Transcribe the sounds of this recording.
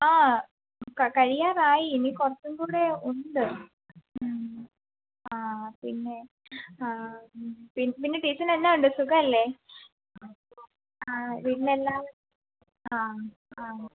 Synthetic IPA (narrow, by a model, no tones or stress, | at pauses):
aː | kɐkɐɻijaːraːjiːnikurɐt͡ɕːumɡuːɽeuɳɖ̪ɨ | aːpinːe | a | pinːpinːe̞ʈiːsɐnenːauɳɖɨsuɡɐɐlːe̞ | a | aʋiːɽinelːaː | aː | aː